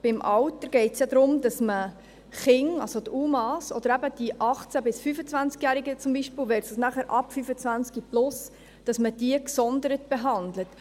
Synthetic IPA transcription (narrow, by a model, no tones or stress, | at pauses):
b̥ɪmʔɑwtəɾɡ̥ɛɪtsjɑdɾʊmd̥ɑsmə | χɪŋɑ̰lsot̪uːmɑːsɔ̰d̥̪əɾæbəd̥iʔɑχt͡sæbɪsfyfət͡svænt͡skjæːɾiɡət͡sʊmbiːʃpɪlʋɛtsɑsnæχəɾʔɑpfyfət͡svænt͡skiplʊs | d̥ɑsməd̥iəksɔndəɾətb̥eɦɑndlət